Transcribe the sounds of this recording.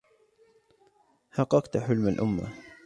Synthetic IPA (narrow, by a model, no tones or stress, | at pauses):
hɑqːɑqt̪ħʊlmalʔʊmːa̰